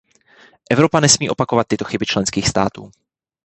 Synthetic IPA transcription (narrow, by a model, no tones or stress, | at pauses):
ʔɛvɾo̞panɛsmiːʔo̞pakovat̪̚ːɪt̪o̞xɪbɪt͡ʃlɛnskiːxst̪aːt̪ṵː